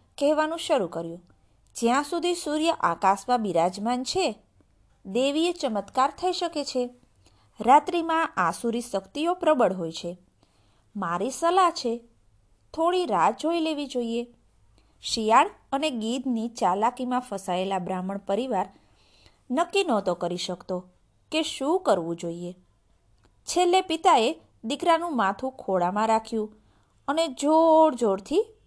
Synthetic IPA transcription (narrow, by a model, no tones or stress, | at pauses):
kɛɦʋanũʃəɾukəɾjũ | d͡ʒjãsud̪ʱisuɾjəʔakasmãbiɾad͡ʒmant͡ʃʰe | d̪eʋiet͡ʃəmət̪kaɾt̪ʰəiʃəket͡ʃʰe | ɾat̪ɾimãʔasuɾisəkt̪iopɾəbəɽɦojt͡ʃʰe | maɾisəlaɦt͡ʃʰe | t̪ʰoɽiɾad͡ʒɦojleʋid͡ʒoie | ʃijaɽ | əneɡid̪ʱnit͡ʃalakimãfəsaelabɾaməɳpəɾiʋaɾ | nəkːinɔt̪okəɾiʃəkt̪o | keʃũkəɾʋũd͡ʒoie | t͡ʃʰelːepit̪ae | d̪ikɾanũmat̪ʰũkʰoɽamãɾakʰjũ | əned͡ʒoɽd͡ʒoɽt̪ʰi